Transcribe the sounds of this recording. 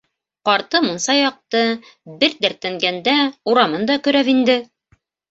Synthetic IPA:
qɑɾt̪ɤmɤ̆nsɑjɑq̚t̪ɤ | bɘɾd̪æɾt̪æŋɡænd̪æuɾɑmɤnd̪ɑkɵ̆ɾæβind̪ɘ

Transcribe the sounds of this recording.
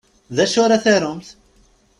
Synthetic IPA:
ðæʃʊɾaθaɾʊmθ

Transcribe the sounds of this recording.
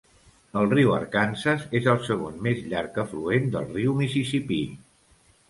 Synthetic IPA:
əlˠriwə̰ɾkansəzezəlˠsəɣ̞onmezʎaɾkəfluend̪ə̰lˠriwmisisipi

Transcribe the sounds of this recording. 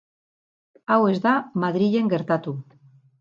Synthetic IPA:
awe̞zd̪amaðɾiʎe̞ŋɡe̞ɾt̪at̪u

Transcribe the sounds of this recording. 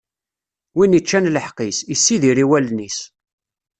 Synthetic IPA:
winət͡ʃːænləħqisisːiðiɾiwælnis

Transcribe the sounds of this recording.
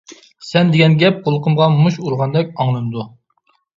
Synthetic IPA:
sɛnd̪eɪɡʲɛnɡʲɛp̚qolˠqəmʁɑmuʃuɾʁɑnd̪ɛkʲɑŋlˠɨnɨd̪u

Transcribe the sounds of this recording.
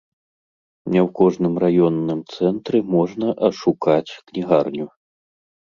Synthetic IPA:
nʲɛwkɔʐnɨmrajɔnːɨmt̪sɛnt̪ɾɨmɔʐnɐʔɐʂukat͡sʲknʲiɣarnʲu

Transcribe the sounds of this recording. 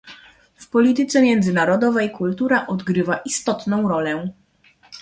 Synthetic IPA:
fpɔlʲit̪ɘt̪sɛmʲjɛnd̪zɘnaɾɔd̪ɔvɛjkult̪uɾaʔɔd̪ɡɾɘvaʔist̪ɔt̪nɔ̃w̃ɾɔlɛ

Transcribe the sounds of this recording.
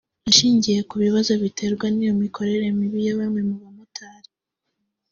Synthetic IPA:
ʃiːɲɟije̞kuβiβazo̞βitʰe̞ɾɡwanijo̞mikʰo̞ɾe̞ɾe̞miβijaβamŋe̞muβamutʰaːɾi

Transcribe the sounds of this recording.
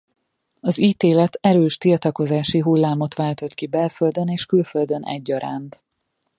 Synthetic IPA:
ɒziːt̪eːlɛt̪ɛɾøːʃt̪ilt̪ɒko̞zaːʃiɦulːaːmo̞t̪ʋaːlt̪o̞t̪kibɛlføld̪øneːʃkylføld̪ønɛ̰ɟːɒɾa̰ːnt̪

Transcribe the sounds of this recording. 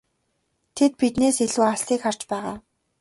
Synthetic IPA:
t̪ʰet̪̚pit̪neːseɮuːastiːkχar̥t͡ɕpæːʁaː

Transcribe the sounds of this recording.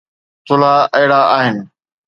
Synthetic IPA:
t̪ʰʊlaːəɦɪɽaːaːɦɪnɪ̆

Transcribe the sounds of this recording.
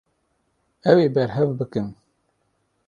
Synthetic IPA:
ɛweːbɛɾɦɛvbɨkɨn

